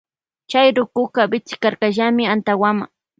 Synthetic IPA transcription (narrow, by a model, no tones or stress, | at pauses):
t͡ʃajɾʊkʊkabɪt͡sɪ̥kaɾkaʒamɪant̪awama